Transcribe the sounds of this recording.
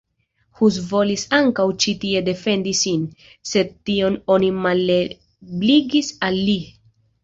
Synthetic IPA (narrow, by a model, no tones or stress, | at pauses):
huz̬vo̞lisaŋkawt͡ʃitie̞de̞fe̞ndisin | se̞d̚tio̞no̞nimale | bliɡisalːi